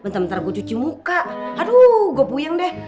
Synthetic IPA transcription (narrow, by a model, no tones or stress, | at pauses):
mənt̪amənt̪aɾaɡat͡ʃut͡ʃimukaʔaduɡuapujaŋdɛh